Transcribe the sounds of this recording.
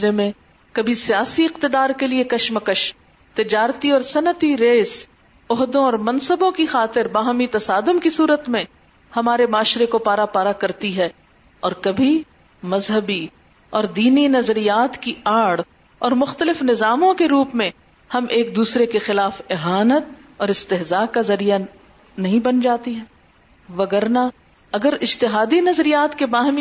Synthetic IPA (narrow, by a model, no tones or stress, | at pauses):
ɾemẽ | kɐbʱisijaːsiɪqt̪ɪd̪aːɾkeliekɐʃməkəʃ | t̪ɪd͡ʒaːɾt̪iɔːɾsɐnət̪iɾeːs | ɔɦd̪õɔːɾmɐ̃nsəbõkixaːt̪ɪɾbaːɦmit̪ɐsaːd̪ʊmkisuːɾət̪mẽ | hɐmaːɾemaːʃɾekopaːɾapaːɾakɐɾt̪iɦɛː | ɔːɾkɐbʱi | mɐzɦəbi | ɔːɾd̪iːninɐzɾijaːt̪kiaːɽ | ɔːɾmʊxt̪əlɪfnɪzaːmõkeɾuːpmẽ | hɐmʔeːk̚d̪uːsɾekexɪlaːfɪɦaːnət̪̚ | ɔːɾɪst̪ɪɦzaːkazɐɾija | nɐɦĩbɐnd͡ʒaːt̪iɦɛː | ʋɐɡəɾna | ɐɡəɾɪd͡ʒt̪ɪɦaːd̪inɐzɾijaːt̪kebaːɦmi